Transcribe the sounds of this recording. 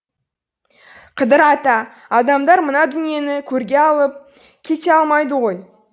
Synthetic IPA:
qʰəd̪əɾɑt̪ɑː | d̪ɑmd̪ɑɾmənɑd̪ʏnije̞nɪkʲʰɵɾɡʲe̞ɑlˠəp̚ | kʲʰe̞t̪eɑlˠmɑjd̪əʁo̞j

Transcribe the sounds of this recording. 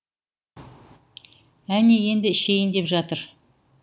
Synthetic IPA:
æneje̞nd̪ɪɪʃejɪnd̪e̞pʒɑt̪əɾ

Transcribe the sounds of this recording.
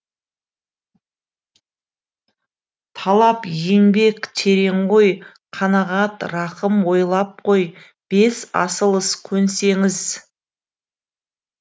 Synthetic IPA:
t̪ʰɑlˠɑpjeŋbe̞kt̪ʰe̞ɾe̞ɴʁo̞j | qʰɑnɑʁɑt̪ɾɑqəmwo̞jlˠɑp̚qʰoj | b̥e̞sɑ̰səlˠəskʲʰɵnse̞ŋɪz

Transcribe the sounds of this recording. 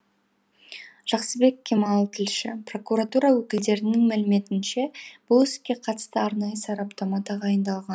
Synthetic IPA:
ʒ̥ɑqsəbe̞kʲːʰemɑlˠt̪ʰɪlʃɪpro̞kuɾat̪uɾɑwɵkʲɪld̪e̞ɾɪnɪŋmælɪme̞t̪ɪnʃe̞b̥ʊlˠɪskʲe̞qʰɑt̪ə̥st̪əɑɾnɑjəsɑɾɑpt̪amɑd̪ɑʁɑjənd̪ɑlˠʁɑn

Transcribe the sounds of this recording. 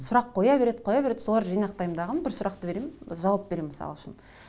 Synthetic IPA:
sʊɾɑqʰːo̞jɑbe̞ɾe̞d̪qʰo̞jɑbeɾe̞d̪̥so̞lˠɑɾʒijnɑqt̪ɑjəmd̪ɑʁənbɪɾsʊɾɑqt̪əbe̞ɾemnʒɑwɑp̚be̞ɾemːɪsɑ̰lˠʊʃɪ̰n

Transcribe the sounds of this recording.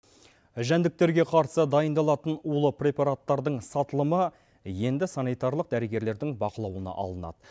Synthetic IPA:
ʒænd̪ɪk̚t̪e̞ɾɡʲe̞qʰɑɾsəd̪ɑjənd̪ɑlˠɑt̪ənulˠəprʲe̞paɾat̪ːɑɾd̪əɴsɑt̪əlˠəmə | je̞nd̪ɪsanijt̪aɾlˠəq̚d̪æɾəɡʲe̞ɾle̞ɾd̪ɪŋbɑqəlˠɑwənɑ̰ʔɑ̰lˠənɑ̰d̪ə

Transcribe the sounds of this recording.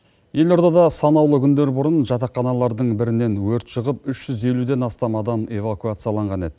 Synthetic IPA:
je̞lo̞ɾd̪ɑd̪ɑsɑnɑwlˠəkʲʏnd̪e̞ɾbʊɾənʒɑt̪ɑqːɑnɑlˠɑɾd̪əɴbɪɾɪne̞nwɵɾt̪ʃəʁəpʏʃʒ̥ʏze̞lud̪e̞nɑst̪ɑmɑd̪ɑme̞vakuat̪sɨjalˠɑɴʁɑne̞d̪̥ɪ

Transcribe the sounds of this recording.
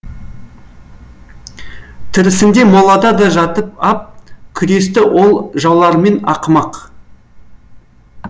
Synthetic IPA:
t̪ʰɪɾɪsɪnd̪e̞molˠɑd̪ɑd̪ɑʒɑt̪əp̚ɑp̚kʲʰʏɾe̞st̪ɪwʔo̞lˠʒɑlˠɑɾme̞nɑ̰qmɑq

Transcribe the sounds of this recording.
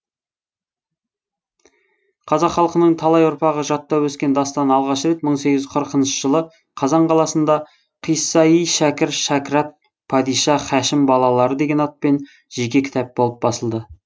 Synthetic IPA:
qʰɑzɑqχɑlˠqənəɴt̪ʰɑlˠɑjʊɾpɑʁəʒɑt̪ːɑwɵskʲe̞nd̪ɑst̪ɑnɑlˠʁɑʃɾe̞t̪məɴseɡʲɪzqʰəɾəqənʃəʒəlˠə | qʰɑzɑɴqʰɑlˠɑsənd̪ɑ | qʰijsɑijʃækʲɪɾʃɑkɾɑt̪̚ | pʰɑd̪ijʃɑχæʃɪmbɑlˠɑlˠɑɾəd̪e̞ɡʲe̞nɑt̪̚pe̞n | ʒ̥ekʲe̞kʲʰɪ̥t̪ʰɑp̚bo̞lˠəp̚bɑsəlˠd̪ə

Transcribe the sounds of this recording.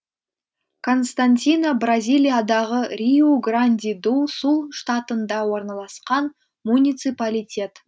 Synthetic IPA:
kʰo̞nst̪anʲt̪ʲinobrazʲijlʲijad̪ɑʁəɾʲioɡranʲd̪ʲid̪usulˠʃt̪at̪ənd̪ɑwo̞ɾnɑlˠɑsqɑn | munʲijt̪sɨpalʲijtʲʰe̞t̪

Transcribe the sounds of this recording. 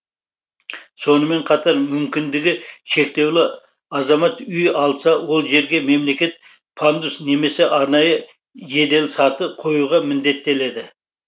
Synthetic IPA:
so̞nəme̞ɴqʰɑt̪ɑɾmʏmkʲɪnd̪ɪɡʲɪʃe̞k̚t̪e̞wlɪ | ɑzɑmɑt̪ʏjɑlˠsɑwo̞lˠʒe̞ɾɡʲe̞me̞mle̞kʲe̞t̪ | pʰand̪usne̞me̞se̞ʔɑɾnɑjə | je̞d̪e̞lsɑt̪əqʰo̞juʁɑmɪnd̪e̞t̪ːe̞le̞d̪ɪ

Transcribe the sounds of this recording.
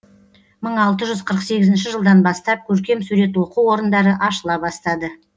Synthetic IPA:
məɴɑlˠt̪əʒʏzqʰəɾəqse̞ɡʲɪzɪnʃɪʒəlˠd̪ɑnbɑst̪ɑp̚kʲʰɵɾkʲe̞msuɾe̞t̪wo̞quwo̞ɾənd̪ɑɾəʔɑʃəlˠɑbɑst̪ɑd̪ə

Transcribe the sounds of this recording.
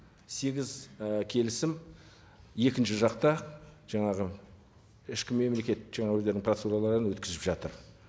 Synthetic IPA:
se̞ɡʲɪzkʲʰe̞lɪsɪm | je̞kʲɪnʃɪʒɑqt̪ɑʒ̥ɑɴɑʁə | ɪʃkʲɪme̞mle̞kʲe̞t̪̚ʒ̥ɑɴɑwɵzd̪e̞ɾɪŋprot̪seulˠɑlˠɑɾənwɵt̪kʲɪzɪpʒɑt̪əɾ

